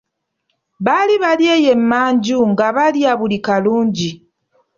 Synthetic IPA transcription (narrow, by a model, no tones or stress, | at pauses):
βaliβaljeːje̞mːaːɲɟuŋɡaβaljaβulikaluːɲɟi